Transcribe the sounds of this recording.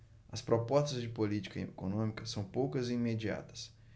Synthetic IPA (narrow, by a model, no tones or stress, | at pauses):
ɐspɾopɔst̪ɐzd͡ʒɪpolit͡ʃi̥kɐkonõmikɐsɐ̃w̃powkɐzɪĩmed͡ʒia̰t̪ɐ̥s